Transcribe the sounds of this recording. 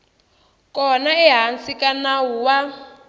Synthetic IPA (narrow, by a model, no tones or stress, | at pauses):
kɔnaɛɦansikʼanawuwa